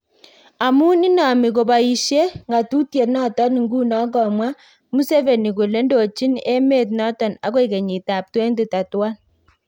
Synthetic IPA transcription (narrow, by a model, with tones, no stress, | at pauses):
a˨mu˦ni˦na˨mi˨ko˨ba˨i˨ʃe˦ŋɡa˨tu˦tje˨nɔ˦tɔ˦n˨ŋɡuː˦nɔ˦ɡɔ˨mwa˦ | mu˦se˦ve˨ni˨ko˨le˦ndo˨t͡ʃi˦ne˦me˦t̬nɔ˦tɔ˨na̰˦ko˦i˨ke˨ɲi˨ta˨p̚twe˦nde˦˨ta˨twa˦n